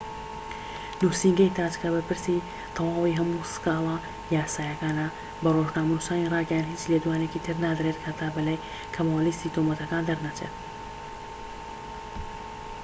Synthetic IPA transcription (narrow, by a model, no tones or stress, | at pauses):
nusiŋɡɐjt̪ʰaːd͡ʒkʰabɐpɨɾsi | t̪ʰɐwaːwiɦɐmusɨ̥kaːla | jaːsaːjɐkaːnɐ | bɐroʒnaːmɐnusaːniraːɡɛjanhiːt͡ʃled̪uwaːneciːt̪ʰɨɾnaːd̪ɾet̪kʰat̪ʰaːbɐlaːj | kʰɐmawlist̪it̪omɐt̪ɐkaːnd̪ɐɾnat͡ʃʰḛt̪̚